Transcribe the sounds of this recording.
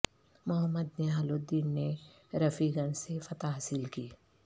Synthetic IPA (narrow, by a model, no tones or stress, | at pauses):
mʊɦəmːəd̪neaːlod̪ːiːnːe | ɾɐfiɡɐnsefɐt̪aɦasɪlkiː